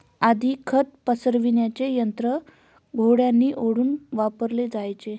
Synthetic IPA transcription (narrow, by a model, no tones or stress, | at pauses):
ad̪ʱiːkʰət̪̚pəsəɾʋinjat͡ɕejənt̪ɾə | ɡʱoɽjanːiːʔoɽuːnʋapəɾled͡zajt͡se